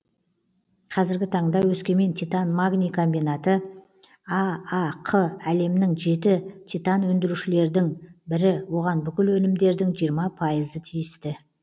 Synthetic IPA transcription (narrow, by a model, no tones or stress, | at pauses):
qʰɑzɪɾɡʲɪt̪ʰɑɴd̪ɑwɵskʲe̞me̞nt̪ʰit̪anmaɡnʲikʰo̞mbijnat̪ə | ɑɑqʰəæle̞mnɪŋʒe̞t̪ɪt̪ʲʰit̪anwɵnd̪ɪɾuʃɪle̞ɾd̪ɪŋbɪɾɪwo̞ʁɑnbʏkʲɪlwɵnɪmd̪e̞ɾd̪ɪŋʒijəɾmɑpʰɑjəzət̪ʰijɪst̪ɪ